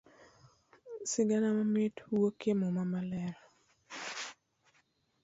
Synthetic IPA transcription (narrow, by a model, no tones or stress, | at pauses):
sɪɡanamamɪtwokemomamalɛɾɔ